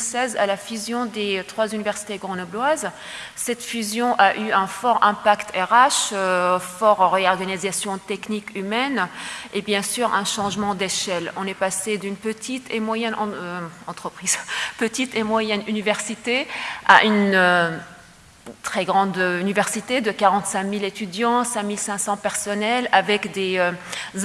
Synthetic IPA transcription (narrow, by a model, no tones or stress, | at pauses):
sɛzalafyzjɔ̃d̪et̪χwazynivɛʁsi̥t̪eɡʁɔ̃nɔblwaz | sɛt̪fyzjɔ̃ʔaʔyɛ̃fɔʁɛ̃pakt̪ʰɛʁaʃ | fɔʁɔʁeɔʁɡanizasjɔ̃t̪ɛknikymɛnebjɛ̃syʁɛ̃ʃɑ̃ʒmɑ̃d̪eʃɛlɔ̃nɛpased̪ynpət̪ʰit̪ʰemwajɛnɑ̰̃ɑ̃t̪χəpχiːz̥pət̪it̪emwajɛnynivɛʁsit̪ea̰ʔynø | t̪χɛɡʁɑ̃d̪ynivɛʁsit̪ed̪əkaʁɑ̃t̪sɛ̃milet̪yd̪jɑ̃sɛ̃milsɛ̃sɑ̃pɛʁsɔnɛlavɛkd̪eø